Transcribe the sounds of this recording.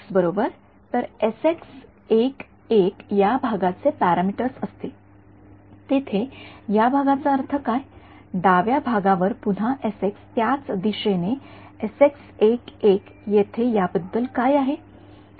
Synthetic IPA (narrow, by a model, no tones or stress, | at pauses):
sbəɾobəɾ | t̪əɾeseks | ek | ekjabʱaɡat͡sepæɾamiʈəɾsəst̪e | t̪et̪ʰejabʱaɡat͡saəɾt̪ʰəkaj | ɖ̪aʋjabʱaɡãʋəɾpun̤aʔesekst̪jat͡sd̪iɕene | eseksekek | jet̪ʰejabəd̪ːəlkajaɦe